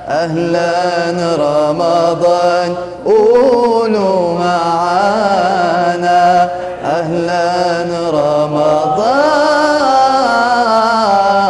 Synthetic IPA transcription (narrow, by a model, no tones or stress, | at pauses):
ʔahlanɾˤɑmɑðˤɑːn | ʔunumaʕa | na | ʔahlan | ɾˤɑmɑd̪ˤɑː